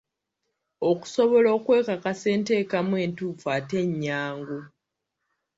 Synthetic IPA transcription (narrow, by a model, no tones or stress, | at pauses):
o̞ku̥so̞βo̞lo̞ːkwe̞ːkakase̞ːnte̞ːkamwe̞ːntuːfate̞ɲːaːŋɡo